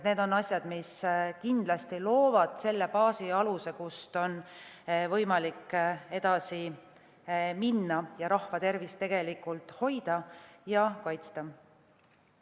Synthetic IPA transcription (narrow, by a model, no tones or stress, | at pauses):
ne̞ːd̪o̞nɑsʲjɑd̪̥miskind̪lɑst̪ilo̞ːvɑd̪̥se̞lːepɑːsiɑluse̞kust̪o̞n | vɤ̞jmɑlikːˑe̞d̪̥ɑsi | minːɑjɑɾɑhvɑt̪e̞rvist̪e̞ɡ̥e̞likːˑult̪ˑho̞jd̪̥ɑjɑkɑjt̪st̪ɑ